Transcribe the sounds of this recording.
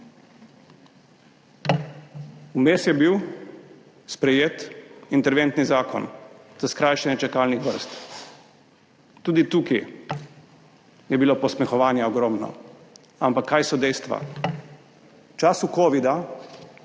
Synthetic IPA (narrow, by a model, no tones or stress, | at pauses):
umeːsjɛbiw | spɾɛjeːt̪int̪ɛɾʋent̪nizaːkɔ̰nz̥askɾajʃɛnjɛt͡ʃɛkaːlnixʋəɾst̪ | uːd̪it̪uːki | jɛbilopɔsmɛxɔʋaːnjaɔɡɾɔːmnɔ̰ | ampakʰːajsɔd̪ɛjst̪ʋa̰ | t͡ʃaːsukoːʋid̪a